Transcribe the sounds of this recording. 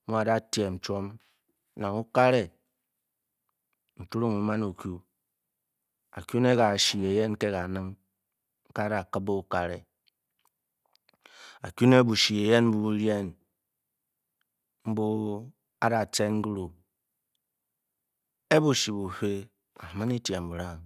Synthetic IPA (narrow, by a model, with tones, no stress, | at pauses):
mu˦a˨da˦tje˨n̩˨t͡ʃo˦m | na˨ŋu˦ka˦ɾe˨ | n̩˨tu˦ɾu˦ŋu˨ma˦nu˨kju˦ | a̰˨kʲu˦ne˦ka˨ʃi˨e˨je˦n˦ke˦ka˨nɨ˦ŋ̩˦ | ka˦da˨kɨ˦bo˦u˦ka˦ɾḛ˨ | a̰˨kju˦ne˦bu˨ʃi˨e˨je˦nm̩˦bu˦ɾje˦n | m̩˦bu˦ | a̰˦da˨t͡se˦n̩˦ɡu˦ɾu˨ | e˦bu˨ʃi˨bu˨ɸe˦ | a˨mɨ˦ni˦tje˨m̩˨bu˨ɾa˦ŋ